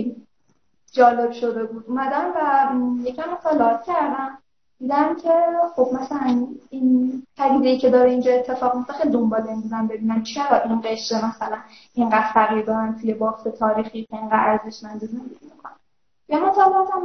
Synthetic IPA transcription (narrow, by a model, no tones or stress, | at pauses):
d͡ʒɒːle̞b̥ʃo̞d̪e̞buːd̪umæd̪æmvæjecʲʰæmot̪ʰɑlɒt̪cʰæɾd̪æm | d̪̥iːd̪æmcʲʰe̞χo̞b̚mæsælæninpʰæd̪iːd̪ejiːcʰe̞d̪ɒːɾeind͡ʒɒːe̞t̪ʰːe̞fɒːɣmijoft̪æxejlid̪ombɒːleŋɡuzæmbe̞biːnæmt͡ʃʰiæɾɒʔinɢe̞ʃt̪emæsælæn | iŋɢæd̪̥fæɣiːɾd̪ɒːɾænt̪ʰuje̞bɒːft̪ʰe̞t̪ʰɒːɾiːxicʰeiŋɡæd̪æɾze̞ʃmænd̪eze̞nd̪eɟ̥ʲimikʰonæ | jæmot̪ʰɑleɒt̪ʰæm